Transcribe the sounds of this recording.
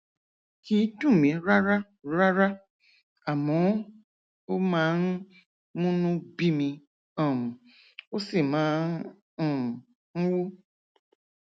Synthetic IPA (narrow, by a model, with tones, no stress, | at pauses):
ki˨˦tũ˦˨mĩ˨˦ɾa˦ɾa˦ | ɾa˦ɾa˦ | a˨mɔ˨˦ | o˦mã˦n̩˦ | mũ˦nũ˦bi˦mĩ˧ | ɔ̃˨mũ˨ | o˦si˨mãː˨˦˨ | m˨ | n̩˦wu˦